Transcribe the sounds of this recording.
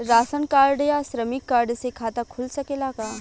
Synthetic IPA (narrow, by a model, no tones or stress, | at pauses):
ɾaːsənkaːɾɖjasɾəmɪkːaːɾɖsekʰaːt̪akʰʊlsɐkelaːkaː